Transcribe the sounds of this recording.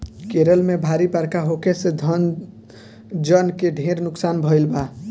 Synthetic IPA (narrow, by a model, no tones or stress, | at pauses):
keɾəlmebʱaɾibaɾkaɦokesed̪ʱən | d͡ʒənkeɖʱẽɾnʊksaːnbʱəɪlba